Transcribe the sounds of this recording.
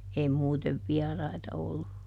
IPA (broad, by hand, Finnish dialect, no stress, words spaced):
ei muːteʋ ʋiɑrɑitɑ olːu